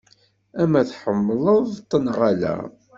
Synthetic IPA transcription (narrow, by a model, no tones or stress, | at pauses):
æmæθħəmːlˤəðˤt̪ˤːənʁalæ̰